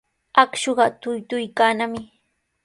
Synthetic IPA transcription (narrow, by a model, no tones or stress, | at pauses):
akʃoɢɑt̪ʊjt̪ʊjkaːnamɪ